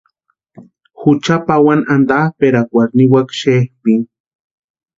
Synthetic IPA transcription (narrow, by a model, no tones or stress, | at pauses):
xut͡ʃapawanʔand̪ahpeɾakʷaɾniwakʃehpin